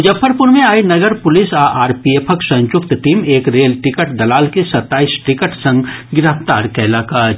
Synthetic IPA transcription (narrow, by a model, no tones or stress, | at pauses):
d͡ʒəpʰːəɾpʊɾmẽaːinɐɡəɾpʊlɪsaːʔaːɾpieːpʰəksɐ̃ɲt͡ʃʊkt̪ʈiːmeːkɾeːlʈɪkəʈd̪ɐlaːlkesɐt̪ːaːisʈɪkəʈsə̃ŋɡɡɪɾəft̪aːɾkɛːlakaː